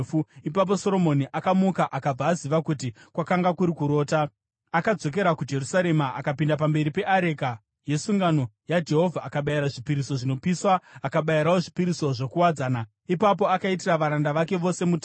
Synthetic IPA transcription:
fuipap̬o̞so̞ɾo̞mo̞niʔakamukaʔakab͡vaːziʋakutikwakaŋɡakuɾikuɾo̞ːta | akad͡zo̞k̬e̞ɾakud͡ʒe̞rusaɾe̞maʔakapindap̬ambe̞ɾipe̞ʔaɾe̞ka | je̞suŋɡano̞ | jad͡ʒe̞ɦo̞vʱaːkaɓajiɾaʐipiɾisoʐino̞piswaːkaɓajiɾawoʐipiɾiso̞ʐo̞kuwad͡zaːna | ipap̬o̞akaitiraʋaɾandaʋake̞ʋo̞se̞mutː

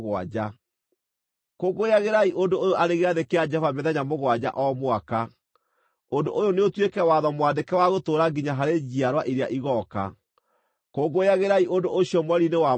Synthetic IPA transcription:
ɣwa̰d͡ʑa | koɡojaɣeɾaiʔondoojoʔaɾeɣeaðekead͡ʒɛvamɛðɛɲamoɣwad͡ʑa̰ʔɔmwaka | ondoʔojoneotwekɛwaðɔmwadekɛwaɣotoɾaɡiɲaɦaɾed͡ʑiaɾwaʔiɾeaʔiɣɔka̰ | koɡojaɣeɾaiʔondoʔoɕjɔmwɛɾinewa

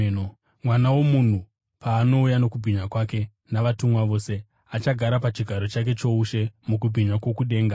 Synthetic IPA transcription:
mwanawo̞mun̤u | paːno̞ujano̞kubʱiɲwakwake̞ | naʋatumwaʋo̞ːse̞ | at͡ʃaɡʱaɾapat͡ʃiɡʱaɾo̞t͡ʃak̬e̞t͡ʃo̞uʃe̞muk̬ubʱiɲwakwo̞kuɗe̞ːŋɡa

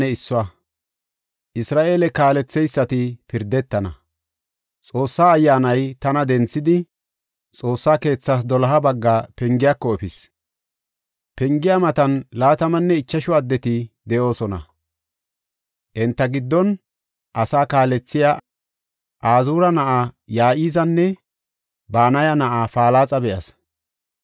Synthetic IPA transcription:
ɛɪsːʊwɐ | ʔɪsɾaːʔe̞ːlɛkaːlɛt͡sːɛjsːɐt̪ɪpɪɾd̪ːɛt̪ːɐnɐ̰ | t͡sʼo̞ːsːaːjːaːnɐjt̪ɐnɐd̪ɛnt͡sːɪd̪ɪ | t͡sʼo̞ːsːaːke̞ːt͡sːaːs̬d̪ɔlɐɦɐbɐɡːaːpɛŋɡɪjakːɔɛfɪs | pɛŋɡɪjamɐt̪ɐnlaːt̪ɐmɐnːɛɪt͡ʃːɐʃʊɐd̪ːɛt̪ɪd̪ɛʔo̞ːsɔnɐ̰ | ʔɛnt̪ːɐɡɪd̪ːɔn | ʔɐsaːkaːlɛt͡sːɪja | ʔaːzuːɾɐnɐʔaːjaːʔiːzɐnːɛ | baːnɐjɐnɐʔaːfaːlaːt͡sʼɐbɛʔɐ̰s

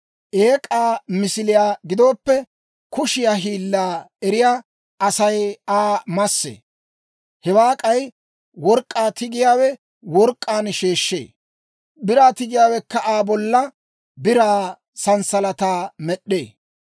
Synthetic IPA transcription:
ʔeːkʼaːmɪsɪlɪjaːɡɪd̪o̞ːpːɛ | kʊʃɪjaːɦiːlːaːɛɾɪjaː | ʔɐsɐjaːmɐsːḛː | hɛwaːkʼɐj | wɔɾkʼːaːt̪ɪɡɪjaːwɛ | wɔɾkʼːaːnʃe̞ːʃːḛː | bɪɾaːt̪ɪɡɪjaːwɛkːɐʔaːbɔlːɐ | bɪɾaː | sɐnsɐlɐt̪aːmɛɗːeː

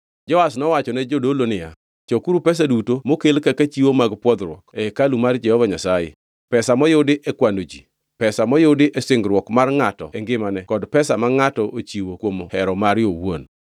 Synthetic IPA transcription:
d͡ʒɔasnɔwat͡ʃɔnɛd͡ʒodolonɪja̰ | t͡ʃokuɾupɛs̬adutomokelkakat͡ʃiwomaɡpwɔd̪ɾwɔ̰kɛkalumard͡ʒɛhɔvaɲasajḛ | pɛsamɔjʊdɪʔɛkwandod͡ʒi | pɛsamɔjʊdɪʔɛsɪŋɡɾwɔkmarŋatɔ̰ɛŋɡɪmanɛkɔdpɛsamaŋatɔʔot͡ʃiwokwomhɛɾɔmaɾjowo̰n

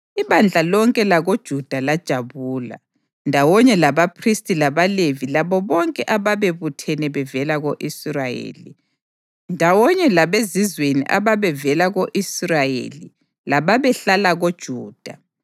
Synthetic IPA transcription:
iβand͡ɮʱalɔŋkʼɛlaɣod̥ʒ̥ʱud̥ʱalad̥ʒ̥ʱaβuːla̰ | ndʱawɔɲɛlaβapʰristʼilaβalevilaβɔβɔŋkʼɛʔaβaβeβutʰɛnɛβɛvɛlaɣoʔisrajḛːlḭ | ndʱawɔɲɛlaβezizwenḭʔa̰βaβɛvɛlaɣoʔisrajḛli | laβaβɛɬalaɣod̥ʒ̥ʱuːd̥ʱa

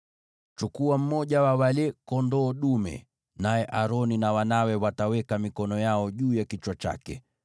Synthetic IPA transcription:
t͡ʃukuam̩mɔʄawawalɛkɔndɔːɗumɛ̰ | najɛʔaɾɔninawanawɛwatawɛkamikɔnɔjaɔʄuːjakit͡ʃwat͡ʃa̰kɛ̰

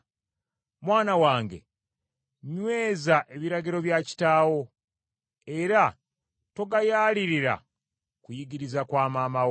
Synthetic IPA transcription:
mwaːnawaːŋɡe̞̰ | ɲwe̞ːzaʔe̞βiɾaɟiɾo̞βjaːci̥taːwo̞ | e̞ɾa | to̞ɡajaːliɾiɾa̰ | kujiɡiɾizakwaːmaːma

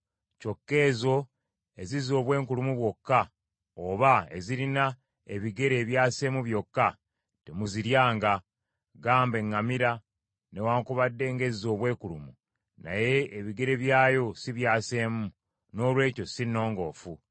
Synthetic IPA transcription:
co̞kːe̞ːzo̞ | e̞zizo̞ːβwe̞ːŋkulumuβwo̞kːa | oβae̞̰ziɾina | e̞βiɡe̞ɾe̞ːβjaːse̞ːmuβjo̞kːa | te̞muziɾjaːŋɡa | ɡaːmbe̞ŋːamiɾa | ne̞waːŋkuβadːe̞ːŋɡe̞zizo̞ːβwe̞ːkulumu | na̰je̞ːβiɡe̞ɾe̞βjaːjo̞siβjaːse̞ːmu | no̞ːlwe̞ːco̞sinːo̞ːŋɡo̞̰ːfu

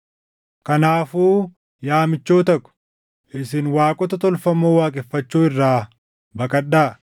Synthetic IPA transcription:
kɐnaːfuː | jaːmɪt͡ʃːoːt̪ɐkʊ̥ | ʔɪsɪnwaːkʼɔt̪ɐt̪ɔlfɐmoːwaːkʼɛfːɐt͡ʃːuːɪrːaː | bɐkʼɐɗːaː

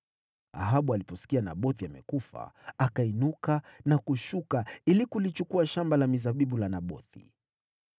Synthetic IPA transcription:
a̰ɦaɓualipɔsi̥kianaɓɔθiamɛ̰kufa̰akainukanakuʃukailikulit͡ʃukuaʃambalamizaɓiɓulanaɓɔ̰θḭ

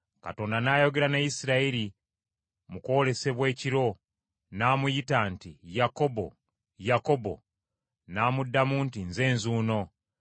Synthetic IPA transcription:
ka̰to̞ːndanaːjo̞ɡe̞ɾanajisiɾaiɾi | muko̞le̞se̞βwe̞ːciɾo̞ | naːmujitantijako̞bo̞̰ | jako̞bo̞̰ | naːmudːamuːntinze̞ːnzuːno̞

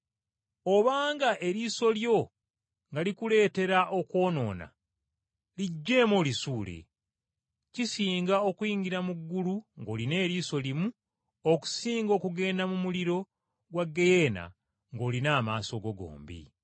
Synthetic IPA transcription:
oβaːŋɡaʔe̞ɾiso̞ljo̞ | ŋɡalikule̞ːte̞ɾaʔo̞kwo̞ːno̞̰ːna̰ | liɟːe̞ːmolisuːle̞̰ | cisiːŋɡao̞kwiːɲɡiɾamuɡːuluŋɡo̞ːline̞ːɾiːso̞limu | oku̥siːŋɡo̞ːkuɡe̞ːndamumuliɾo̞ | ɡwaɡːejeːna̰ | ŋɡo̞ːlinaːmaːso̞ɡo̞ɡo̰ːmbḭ

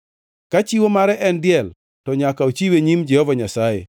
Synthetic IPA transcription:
kat͡ʃiwomaɾɛʔɛndɪɛl | tɔɲakaot͡ʃiweɲimd͡ʒɛhɔvaɲasajḛ

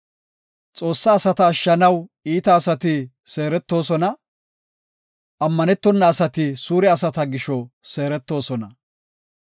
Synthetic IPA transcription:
t͡sʼo̞ːsːɐːsɐt̪ɐːʃːɐnɐwiːt̪ɐːsɐt̪ɪse̞ːɾɛt̪ːo̞ːsɔnɐ | ʔɐmːɐnɛt̪ːɔnːɐːsɐt̪ɪsuːɾɛɐsɐt̪ɐɡɪʃɔse̞ːɾɛt̪ːo̞ːsɔnɐ

